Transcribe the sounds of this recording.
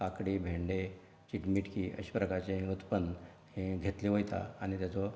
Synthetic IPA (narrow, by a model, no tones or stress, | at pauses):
kakɽiːbʱẽɳɖe | t͡ɕiʈmiʈkiːʔə̰ɕi̥pɾəkaɾt͡ɕeɦut̪pən | hẽɡʱet̪liʋojt̪a̰añit̪jat͡sɔ